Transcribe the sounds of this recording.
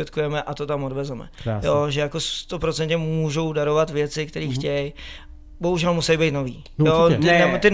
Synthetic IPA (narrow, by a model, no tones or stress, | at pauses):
ɛt̪kujɛmɛʔat̪o̞t̪amodvɛzɛmɛ̰joʒɛjako̞st̪o̞pɾo̞t͡sɛnt̪ɲɛmuːʒo̞wdaɾo̞vat̪vjɛt͡sɪkt̪ɛɾiːxcɛj | bo̞ɦuʒɛlmusɛjbɛjt̪no̞vḭː | joɪɛt̪ɪ